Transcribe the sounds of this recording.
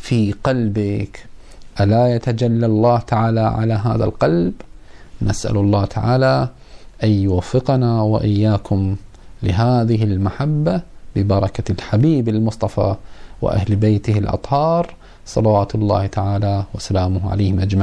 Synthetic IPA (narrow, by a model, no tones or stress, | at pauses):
fiqɑlbɪk | ʔalajat̪ad͡ʒalːalˤːɑːht̪aʕaːlaʕalaɦaːða̰lqɑlbnasʔa̰lʊlˤːɑːt̪ʰaʕa̰ːla | ʔanjʊwafːɪqanawaʔɪjːaːkʊm | lɪɦaːðɪɦɪlmaħabːabɪbɑɾˤɑkalħabiːbɪlmʊsˤt̪ˤɑfɑ̰wɪ̰ʔa̰hlbejt̪ɪhɪlʔɑ̰t̪ˤhɑːɾˤ | sˤɑlawaːt̪ʊlˤːɑ̰ːht̪aʕaːlawasalaːmʊhʕa̰leːhɪmʔad͡ʒmaʕ